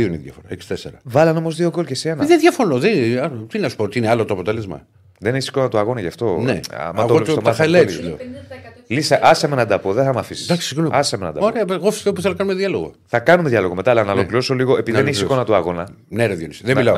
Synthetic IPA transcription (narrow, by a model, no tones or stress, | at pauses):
ioineðjɐ̰foɾɐ̰eksi̥t̪eseɾɐvɐlɐno̞mozðio̞kolcesienðeðʝɐfo̞noðet̪inɐsu̥pot̪iineɐlot̪oɐpo̞t̪e̞le̞zmɐ̰ | ðeneçisi̥ko̞nɐt̪uɐɣo̞nɐʝɐft̪o̞nḛmɐɐɣoost̪mxɐilɐituleolisɐʔɐsɐmenɐd̪ɐpo̞ðeθɐmɐfisi̥sd̪ɐksi̥sinuɐsɐmenɐ̰d̪ɐoɾeɐɣofi̥st̪puθelnɐkɐnumeðjɐloɣo̰ | θɐkɐnumeðiɐloɣomeaːlɐnɐolokliɾosoliɣo̞ʔepiiðeneçisikonɐt̪uɐɣo̞nɐneɾɐðjonisðemilɐo